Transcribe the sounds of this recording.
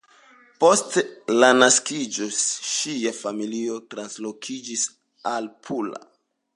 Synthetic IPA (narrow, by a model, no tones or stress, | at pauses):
po̞stelanaskid͡ʒo̞ʃiafamilio̞tɾanslo̞kʰid͡ʒis | alpʰula̰